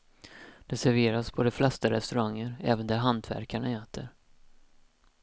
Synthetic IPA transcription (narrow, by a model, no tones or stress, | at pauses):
d̪̥ɛsæɾveːɾaspʰɔd̪ɛflɛst̪aɾɛ̰st̪ɵɾaŋːəɾɛːvənd̪æɾɦant̪ʰvæ̰ɾkaɳaɛːt̪ʰəɾ